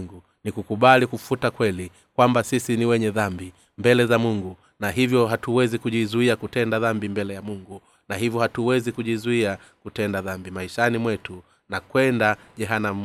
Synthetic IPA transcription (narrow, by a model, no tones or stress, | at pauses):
ŋɡu | nikukuɓalikufutakwɛli | kwambasisiniwɛɲɛðambi | mbɛlɛzamuŋɡu | naɦivjɔɦatuwɛzikuʄizuiakutɛndaðambimbɛlɛjamuŋɡu | naɦivjɔhatuwɛzikuʄizuia | kutɛndaðambimaiʃanimwɛtu | nakwɛnda | ʄɛɦanam̩